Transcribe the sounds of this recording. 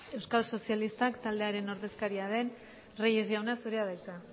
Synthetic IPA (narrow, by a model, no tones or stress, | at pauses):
e̞wskalso̞sijalist̪akt̪ald̪eaɾe̞no̞ɾðe̞skaɾiaðe̞n | rejezjawnasuɾeaðajka